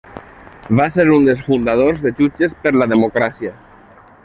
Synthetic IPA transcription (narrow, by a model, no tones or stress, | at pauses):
βaseɾund̪esfund̪að̞oɾzðet͡ʃut͡ʃespeɾlaðemokɾasja